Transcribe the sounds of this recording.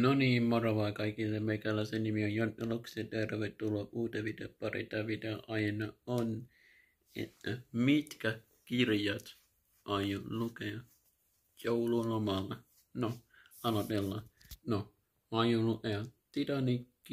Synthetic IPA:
noniːmmorɑʋɑːkɑikilːemeikælːæsenimiojjonelokset̪eˑrʋett̪ːulːoʔʔuːt̪eʋid̪ḛpɑrḭt̪ɑʋid̪eɑʔɑjenɑon | ḛt̪ːmit̪kæ | kirjɑt̪ | ʔɑjonlukeɑ | joululomɑlːɑ | no | ɑlɑt̪elːɑno | ɑjolukeɑt̪it̪ɑnikːi

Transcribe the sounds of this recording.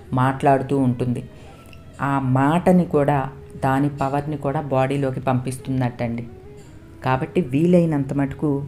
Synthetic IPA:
maːʈlaːɽut̪uːɳʈund̪i | aːmaːʈɐnikuːɽaː | d̪aːnipɐʋɐɾnikuːɽaːbaːɽiːlo̞ːkipɐmpist̪und̪ɐʈːɐɳɖi | kaːbɐʈːiʋiːlɐjinɐnt̪ɐmɐʈɐ̥ku

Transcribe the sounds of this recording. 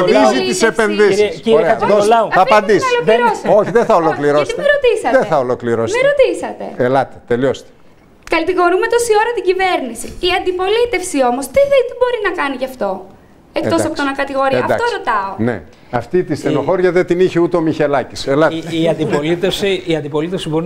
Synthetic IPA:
iziisepe̞nðisisoɾeɐoɐːpɐnd̪isloiɾosoçiðeθɐolo̞kliɾoseit̪ɾo̞t̪isɐtðeθɐolokliɾosmeɾo̞t̪isɐt̪e̞̰elɐt̪e̥t̪e̞lio̞st̪e̥ | kɐt̪iɣo̞ɾume̞t̪o̞sio̞ɾɐt̪iɟive̞ɾnisiːɐnd̪ipo̞lit̪e̞fsio̞mo̞st̪iθit̪ibo̞ɾinɐkɐniʝɐft̪o̞ | ek̪o̞ssɐpoonɐkɐt̪iɣo̞ɾiɐd̪ɐ̰t̪oɾot̪ɐonḛ | ɐft̪it̪iseno̞xo̞ɾʝɐðet̪iniçeut̪eomiçe̞lɐci̥selɐt̪ɐnd̪ipolit̪efsiiɐnd̪ipo̞lit̪efsiboɾi

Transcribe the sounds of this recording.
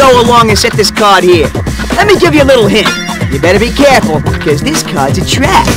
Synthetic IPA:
oʊəlɔ̃ŋɨ̃nsɛt̪̚ðɪskʰɑɹd̚hiɹ | lɛt̚miɡɪvjɨəlɪɾl̩ˠɦɪ̃nt | jɨ˞bɛɾə˞bikʰɛɹfl̩ˠkʰʌzðɪskʰɑɹdzɨtʰɹ̥æp̚

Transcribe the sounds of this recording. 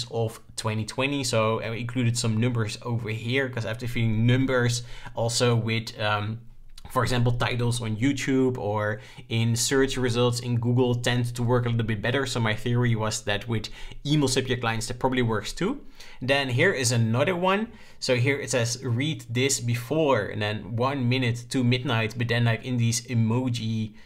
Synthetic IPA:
zɔf | tʰw̥ɛ̃ntitʰw̥ɛ̃ntisoʊɪ̃kʰl̥uɾɨd̥sʌ̃mnʌ̃mbə˞zoʊvə˞hiɹkʰʌzæftə˞filɪ̃ŋnʌ̃mbə˞zʔɔlˠsoʊwɪðʌ | fəɹɛɡzæ̃mpl̩ˠtʰaɪɾl̩ˠz̃n̩jʉtʰjubə˞ | ɪ̃nsɜ˞t͡ʃɹɨzʌlˠtsɪ̃nɡuɡl̩ˠtʰɛ̃ndtʰːəwɜ˞kəlɪɾl̩ˠbɪt̚b̥ɛɾə˞soʊmaɪθiəɹiwʌzðɨt̚wɪðimlˠsʌpjəkl̥aɪɨ̃ntsðɨt̚pʰɹɑbəbliwɜ˞kstʰu | dɨ̃nɦiɹɪzɨnʌðə˞wʌ̃n | soʊɦiɹɪtɨzɹidðɪsbɨfɔɹɨ̰̃ndɨ̃nwʌ̃nmɪ̃nɨttʰːumɪdⁿnaɪtb̥ʌt̪̚ðɨ̃nlaɪkɪ̃nðizɨmoʊd͡ʒi

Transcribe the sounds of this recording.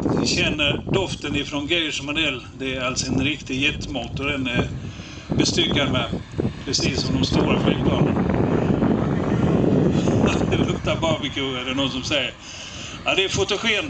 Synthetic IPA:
vɪɕɛnːəɾɖɔft̪ənɪfɾɔnɡɛjəʂmad̪ɛlːd̪ɛːɾalt̪sɔɛnɾɪkt̪ɪjɛt̪ːmoːt̪ɔd̪ɛn | bɛst̪ʏkːaɾmɛ | pʰɾɛsiːsːɔmd̪ɔmst̪uːɾafɛɡ̚pʰlɑːnən | d̪ɛbɵmt̪abɑːbɪkʰʉɛlənɔsɔmsɛjːəɾ | ad̪ɛːfʊt̪ʊɧeːn

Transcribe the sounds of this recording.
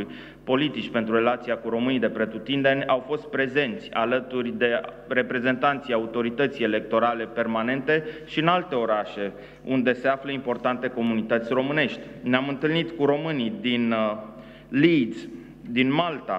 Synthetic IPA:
uj | po̞lit̪it͡ʃʲpe̞nt̪ɾure̞lat̪siakuɾo̞mɨnijd̪e̞pɾet̪ut̪ind̪enʲawfo̞st̪̚pɾe̞ze̞nt̪sʲa̰lət̪urʲd̪e̞ | re̞pɾe̞ze̞nt̪ant̪sijaut̪o̞ɾit̪ət̪sijele̞k̚t̪o̞ɾale̞pe̞rmane̞nt̪e̞ʃiɨnalt̪e̞o̞ɾaʃe̞ | ṵnd̪e̞se̞afləimpo̞rt̪ant̪e̞ko̞munit̪ət̪sʲro̞mɨne̞ʃt̪ʲneamɨnt̪ɨlnit̪kuɾo̞mɨnid̪in | lis | d̪inmalt̪a

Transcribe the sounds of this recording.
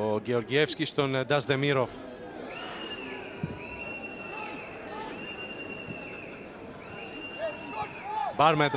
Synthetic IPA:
oɟeo̞ɾɟiefscʲist̪ond̪ɐzd̪emiɾof | baɾmet̪

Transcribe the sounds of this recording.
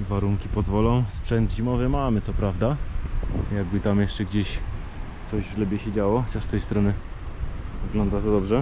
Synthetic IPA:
vaɾuŋkʲipɔzvɔlɔ̃w̃spʂɛnd̪ʑimɔvɛmamɘt̪sɔpɾavd̪a | jaɡ̚bɘt̪amjɛʂt͡ʂɛɡd͡ʑeɕ | t̪ɔʑvʒlɛbʲjɛɕɛd͡ʑawɔxɔt͡ɕaʂst̪ɛjst̪ɾɔnɘ | vɘɡlɔnd̪at̪ɔd̪ɔbʐɛ

